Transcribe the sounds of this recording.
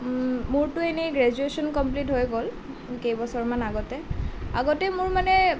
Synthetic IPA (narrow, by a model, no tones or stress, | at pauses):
mʊɹtʊeneɡɹɛd͡ʒuesɔnkɔmplitɦojɡɔl | kejbɔsɔɹmanaɡɔtɛa̰ɡɔtɛmʊɹmanɛ